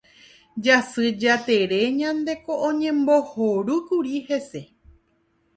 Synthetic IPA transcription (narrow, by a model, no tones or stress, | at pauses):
d͡ʒasɨd͡ʒat̪e̞ɾe̞ɲãnd̪e̞ko̞ʔõɲẽ̞mbo̞hoɾukuɾihe̞se̞